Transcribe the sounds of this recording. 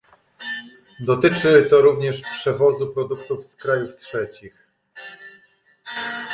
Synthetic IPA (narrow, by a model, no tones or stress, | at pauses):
d̪ɔt̪ɘt͡ʂɘt̪ɔɾuvɲɛʂpʂɛvɔzupɾɔd̪ukt̪ufskɾajuftʂɛt͡ɕix